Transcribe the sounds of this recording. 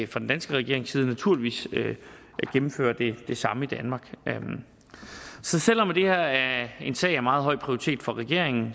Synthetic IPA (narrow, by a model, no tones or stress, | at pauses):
fʁɑ̈d̥end̥ænsɡ̥əʁɛɡ̥e̝ɐ̰e̝ŋsiːð̞ˠənæt͡sʰuɐliʋḭːsø | ɡ̥em̩fø̰ːɐd̥e̝d̥e̝sɑ̈məid̥ænmɑ̈ːɡ̥m | sɒ̽sel̰ɒ̽md̥e̝heɐ̰æe̝nsɛ̰ɪæɐmɑ̈ːð̞̩ˠɦɒ̽ɪ̰pʰʁioʁi̥t͡sʰe̝̰ːd̥fɒ̽ʁɛɡ̥e̝ɐeŋn̩